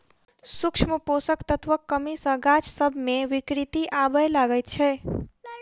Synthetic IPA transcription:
sukt͡ʃʰməposəkt̪ət̪ʰʋəkːəmisə̃ɡat͡ʃsəbʱmeʋikɾit̪iʔabəlaɡəjt̪̚t͡ʃʰɛ

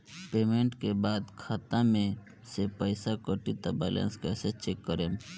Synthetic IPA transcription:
peːmeɳʈkebaːd̪kʰaːt̪amẽ | sepəɪsakəʈit̪abɛlã̰nskɛset͡ʃekːəɾem

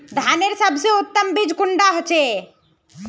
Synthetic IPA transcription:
d̪ʱaneɾsəbseut̪ːəmbid͡ʒkuɳɖaɦot͡ʃʰe

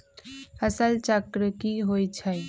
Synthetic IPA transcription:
həsəlt͡ʃəkɾəkiɦoit͡ʃʰə

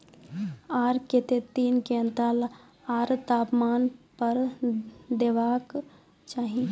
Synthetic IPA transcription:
aːɾket̪et̪iːnkent̪al | aːɾt̪aːpmaːnpəɾ | d̪eʋak | t͡ʃaːɦi

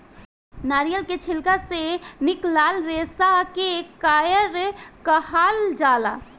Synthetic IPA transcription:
naːɾijəlket͡ʃʰɪlkasenɪklaːlɾeːsakekaːjəɾkəhaːld͡ʒaːla̰

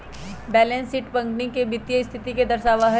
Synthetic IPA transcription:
bɛːlẽnsiːʈpɐ̃ŋknikebɪt̪jəɪst̪ʰɪt̪iked̪ɐɾʃaːʋaɦɛ

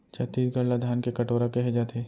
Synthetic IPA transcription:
t͡ʃɐt̪iːt̪ɡɐɽlad̪ʱaːnkekɐʈoːɾakeɦed͡ʒaːt̪ʰeː

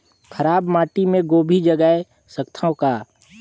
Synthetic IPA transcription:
kʰəɾaːbmaːʈimẽɡoːbʱid͡ʒəɡəe | səkt̪ʰõkaː

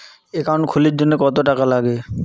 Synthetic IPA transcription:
ekaɾonkʰuliɾd͡ʑonːekɔt̪oʈakalaɡe

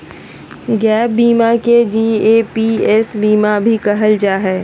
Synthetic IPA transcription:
ɡɛːp̚biːmaked͡ʒiːepiɛːsbiːmabʱikɐɦəld͡ʒaːɦɛː

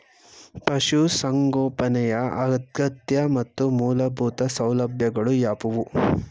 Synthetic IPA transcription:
pɐʃusɐŋɡoːpɐnɛjɐɐ̰ɡɐt̪̚ɡɐt̪jɐmɐt̪ːumuːlɐbʱuːt̪ɐsɐwlɐbʱjɐɡɐɭujaːpuʋu

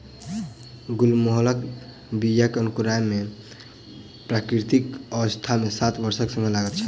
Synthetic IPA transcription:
ɡulmoɦlək | bijəkənkuɾame | pɾakɾit̪ikəʋəst̪ʰamesat̪ʰbəɾsəksə̃ŋelaɡət̪̚t͡ʃʰə

